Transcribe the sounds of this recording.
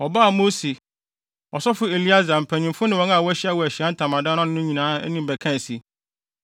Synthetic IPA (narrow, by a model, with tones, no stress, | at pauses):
ɔ˨ba˦˨mo˦si˨ | ɔ˨sɔ˦fʊ˦e˨li˦a˦za˨m̩˨pʰæ˨ɲĩ˨mfʊ˦nɪ̃˦wɔ̃˨˦ŋ˦a˦˨wɔ˦æ˦ɕi˦a˦wɔ˨æ˨ɕi˨a˦n̩˦tʰã˨mã˨dã˦nã˦nɪ̃˦nʊ̃˦ɲĩ˨nãː˨˦ɛ˦nĩ˦m˨bæ˨kʰã˦n˨si˦